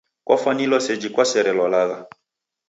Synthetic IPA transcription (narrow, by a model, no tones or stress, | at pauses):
kwa̰fanilɔsɛd͡ʒikwasɛɾɛlɔlaɣa